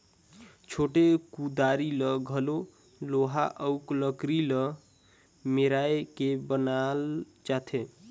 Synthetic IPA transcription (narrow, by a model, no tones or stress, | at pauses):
t͡ʃʰoʈekud̪aɾiləɡʱəlo | loɦaʔəʊkləkɾilə | meɾajkebənal | t͡ʃat̪ʰe